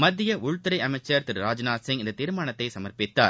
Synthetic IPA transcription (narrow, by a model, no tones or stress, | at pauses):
mɐd̪ːɪjɐʔʊɻt̪ːɪɾɐɪɐmɐɪt͡ʃːɐɾt̪ɪɾɾaːd͡ʒnaːsɪŋɡɪndɐt̪iːɾɯmaːɳɐt̪ːɐɪsɐmɐɾpɪt̪ːa̰ː